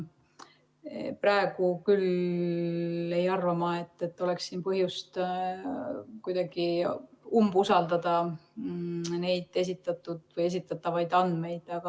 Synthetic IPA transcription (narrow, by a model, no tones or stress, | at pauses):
prɑeɡ̥ukyl | e̞jɑrvɑmɑe̞t̪ːe̞t̪ːo̞le̞kssiːnpɤɦjust̪ | kujd̪̥ɑɡ̥iumbusɑld̪ɑd̪ɑ | ne̞jd̪̥e̞s̬ʲit̪ːˑɑt̪ːˑud̪̥vɤje̞s̬it̪ːˑɑt̪ːˑɑvɑjd̪ɑnd̪me̞jd̪̥ɑɡ̥ɑ